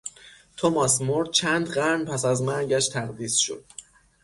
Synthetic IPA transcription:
t̪ʰomɒsmoɾd̪̥̚t͡ʃʰænd̪ɢæɾnpʰæsæzmæɾɟæʃt̪ʰæɣd̪iːsʃo̰d̪̥̚

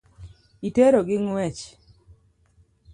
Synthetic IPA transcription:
iteɾoɡɪŋwɛt͡ʃ

